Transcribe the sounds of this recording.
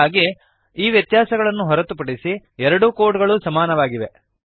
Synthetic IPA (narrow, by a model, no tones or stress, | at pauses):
aːɡe | iːʋjɐt̪jaːsɐɡɐɭɐnːuɦɔɾɐt̪upɐɽisiɛɾɐɽukoːɾʈɡɐɭusɐmaːnɐʋaːɡiʋe̞